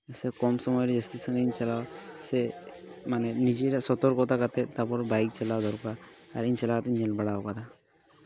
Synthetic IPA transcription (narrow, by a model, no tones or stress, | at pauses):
sekɔmsɔmɔjɾed͡ʒəst̪isəŋɡeiɲt͡ʃɐlawase | manenid͡ʒeɾasɔt̪ɔɾkɔt̪ʰakat̪et̪apɔɾbajk̚t͡ʃəlawd̪ʱɔɾkaːɾiɲt͡ʃəlaat̪ɲelbəɽawakat̪ʰa